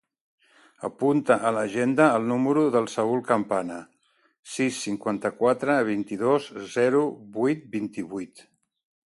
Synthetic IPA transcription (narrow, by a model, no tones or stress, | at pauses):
ə̰punt̪əʔələʒend̪əːlˠnuməɾuðəlˠsəulˠkəmpanə | sisːiŋkwant̪əkwat̪ɾəβint̪iðozzɛɾuβujt̪̚bint̪iβujt̪